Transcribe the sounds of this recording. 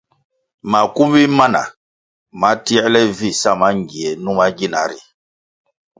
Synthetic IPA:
ma˨ku˦mi˦ma˦na̰˨ | ma˨˦ti˦ɛ˦lɛ˦vi˦˨sa˦˨ma˦ŋɡi˨ɛ˨nũ˦ma˦ɡi˦˨na̰˨ɾḭ˨

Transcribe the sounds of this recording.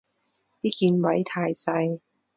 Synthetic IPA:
t̪iː˥kiː˧nwɐ˨˥jt̪ʰaː˧jsɐ˧j

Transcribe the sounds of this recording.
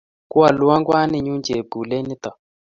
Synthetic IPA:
ku˦a˨lu˦wa˦ŋɡwa˦ni˦ɲu˦nd͡ʒe˨ɡu˨le˦ni˦t̪a˨

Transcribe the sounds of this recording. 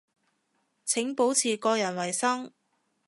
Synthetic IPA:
t͡sʰɪ˨˥ŋpo˨˥wt͡sʰiː˨˩kɔː˧jɐ˨˩nwɐ˨˩jsɐ˥ŋ

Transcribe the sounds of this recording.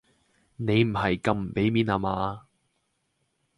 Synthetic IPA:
ne˨˧jm̩˨˩ɦɐ˨jkɐ˧mm̩˨˩pe˨˥jmiː˨˥naː˨˧maː˨˧

